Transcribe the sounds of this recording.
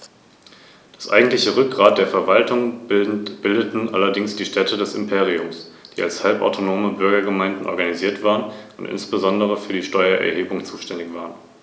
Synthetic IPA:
d̥asʔa̰ɪɡŋ̩tlɪçəʁʏk̚ɡ̥ʁaːt̚d̥eːɐfɛɐvaltʰʊŋ | b̥ɪldətn̩ʔalɐdɪŋsd̥iːʃtʰɛtʰədɛsɪmpʰeːʁ̞iʊmsd̥iːalshalpa̰ʊtʰonoːməbʏɐɡɐɡəmaɪndn̩ʔɔ̰ɐɡaniziːɐtv̥aːʁənʔʊntʔɪ̰nsb̥əzɔndəʁ̞əfyːɐdiːʃtɔʏɐʔɛ̰ɐɦeːbʊŋt͡suːʃtɛndɪçv̥aːʁən

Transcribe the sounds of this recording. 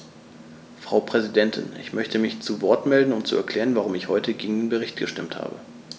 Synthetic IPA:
fʁ̥aʊpʁ̥ɛzidɛntʰɪ̰nɪ̰çmœçtʰəmɪçt͡suvɔɐtmɛldn̩ʊmt͡suɛɐkʰl̥ɛːʁ̞ənvaʁ̞ʊmɪçhɔʏtʰəɡeːɡŋ̩deːnbəʁ̞ɪçtɡ̥əʃtɪmtha̰ːbə̰

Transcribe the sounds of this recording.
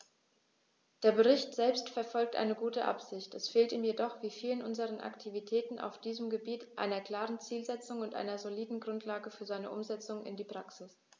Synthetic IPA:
d̥eːɐbəʁ̞ɪçtz̥ɛlpstfɛɐfɔlk̚tʔa̰ɪnəɡuːtəʔa̰pz̥ɪçtɛsfeːltiːmjedɔχv̥iːfiːlənʔʊnzəʁ̞ənʔa̰ktʰivitʰɛːtn̩ʔa̰ʊfd̥iːzəmɡəbiːtʔa̰ɪnɐkl̥aːʁənt͡siːlzɛt͡sʊŋʊntʔa̰ɪnɐzoliːdn̩ɡʁʊntʰlaːɡəfyːɐzaɪnəʔʊmzɛt͡sʊŋʔɪ̰ndiːpʁ̥aksɪs

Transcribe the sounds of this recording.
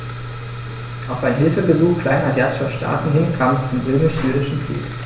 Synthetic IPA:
ʔaʊfaɪnɦɪlfəbəzuːxkl̥aɪnazjaːtɪ̥ʃɐʃtʰa̰ːtn̩ɦɪnkʰaːmɛst͡sʊmʁøːmɪʃzyːʁɪʃn̩kʁ̥ḭːk

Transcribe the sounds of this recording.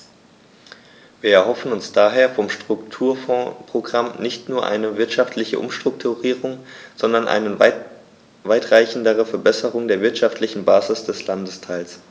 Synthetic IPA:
viːɐɛɐhɦɔfn̩ʊnsd̥aːɦeːɐfɔmʃtʁ̥ʊktʰuːɐfɔ̃ːpʁ̥oɡʁamnɪçtnuːɐʔa̰ɪnəvɪɐtʃaftʰlɪçə̰ʔʊ̰mʃtʁ̥ʊktʰuʁiːʁ̞ʊŋz̥ɔndɐnʔa̰ɪnə | vaɪtʁ̥aɪçn̩dəʁ̞əfɛɐbɛsəʁʊŋdeːɐvɪɐtʃaftlɪçn̩baːzɪsd̥ɛslandəstʰaɪls

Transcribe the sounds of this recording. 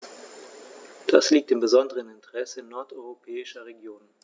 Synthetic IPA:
d̥asliːk̚tɪmbəzɔndəʁənɪntəʁɛsənːɔɐtɔʏʁopʰɛːɪʃɐʁeɡjoːn

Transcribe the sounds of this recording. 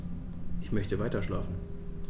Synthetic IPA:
ʔɪçmœçtəvaɪtɐʃlaːfn̩

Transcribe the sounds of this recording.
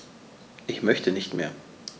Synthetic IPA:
ʔɪçmœçtʰənɪçtmeːɐ

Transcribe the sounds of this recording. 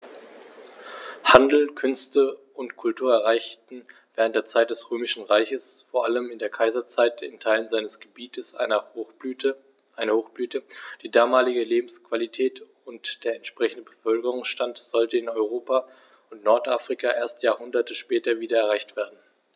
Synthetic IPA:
handl̩kʰʏnstə | ʊntkʰʊltʰuːɐɛɐʁ̞aɪçtn̩v̥ɛːʁ̞əntd̥eːɐt͡saɪt̚d̥ɛsʁøːmɪʃn̩ʁaɪçəsfoːɐʔaləmɪndeːɐkʰaɪzɐt͡saɪtɪntʰaɪlənzaɪnəsɡ̥əbiːtʰəsɐ | ʔaɪnɐhoːxb̥lyːtəd̥iːdaːmaːlɪɡəleːbm̩skv̥alitʰɛːt | ʊntd̥eːɐɛntʃpʁ̥ɛçn̩dəbəfœlkəʁ̞ʊŋsʃtantz̥ɔltəɪnɔʏʁ̞oːpa | ʊntnɔɐtʔafʁ̥ikʰaʔeːɐstjaːhʊndɐtəʃpɛːtɐviːdɐɛɐʁ̞aɪçtv̥eːɐdn̩

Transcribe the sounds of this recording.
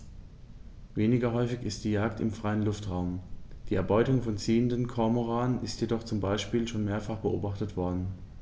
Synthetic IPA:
veːnɪɡɐɦɔʏfɪçɪst̚d̥iːjaːktɪ̰mfʁ̥aɪənlʊftʁaʊmd̥iːɛɐbɔʏtʊŋfɔnt͡siːəndənkʰɔɐmoʁaːənɪstjedɔχt͡sʊmbaɪʃpiːlʃoːnmeːɐfaχb̥əʔo̰ːbaχtətv̥ɔɐdn̩

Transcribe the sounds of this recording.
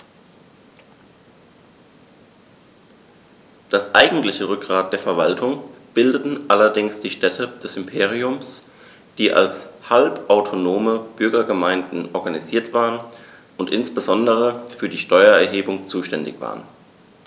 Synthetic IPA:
d̥asʔaɪɡŋ̩tlɪçəʁʏk̚ɡ̥ʁaːt̚d̥eːɐfɛɐvaltʰʊŋb̥ɪldətn̩ʔalɐdɪŋsd̥iːʃtɛtʰəd̥ɛsɪmpʰeːʁ̞iʊms | d̥iːʔa̰lshalpʔaʊtʰonoːməb̥ʏɐɡɐɡəmaɪndn̩ʔɔɐɡaniziːɐtv̥aːʁən | ʊntʔɪnsb̥əzɔndəʁ̞əfyːɐdiːʃtɔʏɐɛɐɦeːbʊŋt͡suːʃtɛndɪ̰çv̥a̰ːʁən

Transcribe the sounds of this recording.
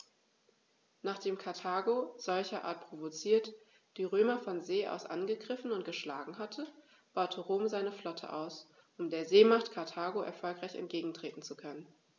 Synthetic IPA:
naːχd̥eːmkʰaɐtʰaːɡoz̥ɔlçɐʔa̰ːɐt̚pʁ̥ovot͡siːɐt | d̥iːʁøːmɐfɔnzeːʔa̰ʊsʔa̰nɡəɡʁɪfn̩ʊnt̚ɡ̥əʃla̰ːɡŋ̩ɦatʰə | b̥aʊtʰəʁoːmzaɪnəflɔtʰə̰ʔa̰ʊs | ʔʊmdeːɐzeːmaχtkʰaɐtʰaːɡoʔɛ̰ɐfɔlkʁ̥aɪçɛ̰nt̚ɡ̥eːɡŋ̩tʁ̥eːtn̩t͡sukʰœnən

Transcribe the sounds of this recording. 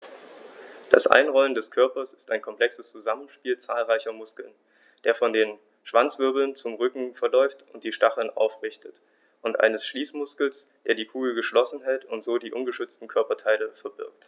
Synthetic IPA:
d̥a̰sʔa̰ɪnʁɔləndɛskʰœɐpɐsɪ̥staɪnkʰɔmpl̥ɛksəst͡suzamən̩ʃpiːlt͡saːlʁaɪçɐmʊskl̩n | d̥eːɐfɔndeːn | ʃv̥ant͡sv̥ʏɐbl̩nt͡sʊmʁʏkŋ̩fɛɐlɔʏftʔʊnt̚d̥iːʃtaχl̩nʔa̰ʊfʁɪçtʰət | ʔʊntʔa̰ɪnəsʃliːsmʊskl̩sd̥eːɐdiːkʰuːɡl̩ɡəʃlɔsn̩ɦɛltʊntz̥oːdiːʔʊnɡəʃʏt͡stn̩kʰœɐpɐtʰaɪləfɛɐbɪɐkt

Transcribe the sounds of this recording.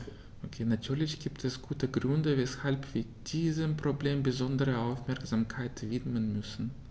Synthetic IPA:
ʔokʰeːnatʰyːɐlɪçɡ̥iːptʰɛsɡ̥uːtəɡʁʏndəvɛshalpv̥iːɐd̥iːzəmpʁ̥obleːmbəzɔndəʁəaʊfmɛɐkz̥aːmkʰaɪtv̥ɪtmənmʏsn̩

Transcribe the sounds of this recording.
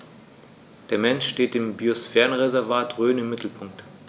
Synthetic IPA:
d̥eːɐmɛnʃʃteːt̚d̥eːmbiosfɛːʁənʁezɛɐvaːtʁøːnɪmːɪtʰl̩pʰʊŋk̚t

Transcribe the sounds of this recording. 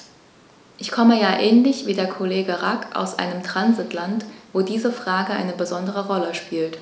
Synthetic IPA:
ʔɪçkʰɔməjaːʔɛːnlɪçv̥iːdeːɐkʰoleːɡəʁakʔa̰ʊsʔa̰ɪnəmtʁ̥anzɪtʰlantv̥oːdiːzəfʁ̥aːɡəʔa̰ɪnəbəzɔndəʁəʁɔləʃpiːlt

